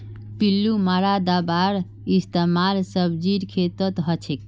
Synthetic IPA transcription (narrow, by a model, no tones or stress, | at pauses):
pilːumaɾad̪abaɾ | ist̪emalsəbd͡ʒiɾkʰet̪ət̪ɦət͡ʃʰek